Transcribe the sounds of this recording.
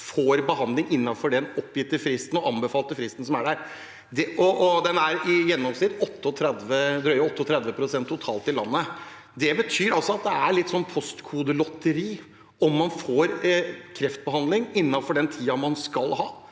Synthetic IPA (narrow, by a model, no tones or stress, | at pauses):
foːɾbəɦɑnd̪lɪŋɪnːɑfɔɖɛnɔpːjɪt̪ːəfɾɪst̪n̩ɔʔɑnbəfɑːlt̪əfɾɪst̪n̩sɔmæɖæɾ | d̪ɛʔɔʔɔd̪ɛnæɾɪjɛnːɔmsnɪt̪ɔt̪ːəɔt̪ʰɾɛd̪ʋəd̪ɾœʏəɔt̪ːəɔt̪ʰɾɛd̪ʋəpʰɾʊsɛnt̪ʰːʊt̪ʰɑːlt̪ɪlːɑnːə | d̪ɛbət̪ʰyːɾɑlsɔɑt̪̚d̪ɛæɭɪt̪ːsɔnːpʰɔst̪kʰuːd̪əlɔt̪ːəɾiː | ɔmːɑnfoːɾkʰɾɛft̪̚bəhɑnd̪lɪŋɪnːɑfɔɖɛnt̪ʰiːɑmɑnskɑlɦɑ̰ː